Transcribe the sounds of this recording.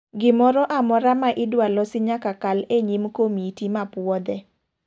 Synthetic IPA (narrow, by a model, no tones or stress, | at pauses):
ɡɪmɔɾɔʔamɔɾamaʔɪdwalɔsɪɲakakaleɲimkomitimapwɔd̪ɛ